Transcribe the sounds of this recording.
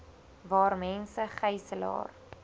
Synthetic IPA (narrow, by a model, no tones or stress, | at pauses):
vɑːrmɛnsəχɛjsəlɑ̰ːr